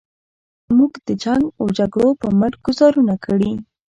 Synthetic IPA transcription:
muɡd̪̥əd͡ʒaŋɡawd͡ʒaɡɽopəməɾɡ̥ʊzɑɾunakʰəɽi

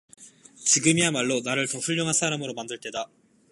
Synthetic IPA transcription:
t͡ɕiɡɯmiamaɭːonaɾɯɭtʌɸuʎːoŋɦansʰaɾamɯɾomandɯɭt͈e̞da

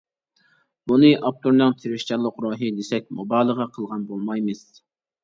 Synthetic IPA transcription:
b̥unɨʔɑp̚t̪ʰuɾnɨŋt̪ʰeɾɪʃt͡ʃʰɑlˠːəqɾoːɦɨd̪esɛk̚ʲmobɑːlˠəʁɑqʰəlˠʁɑnbolˠmɑjmɨz̥

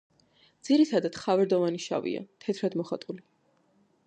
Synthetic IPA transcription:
d̪z̥iɾit̪ʰad̪ad̪χavɛɾd̪ɔvaniʃa̰vḭa̰t̪ʰɛt̪ʰɾad̪mɔχat̪ʼuli

